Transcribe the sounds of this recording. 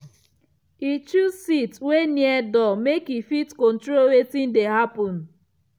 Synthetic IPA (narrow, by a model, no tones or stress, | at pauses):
it͡ʃusitweniɛdɔmekifitkɔ̃ntɾowetĩndeɦapɔ̃n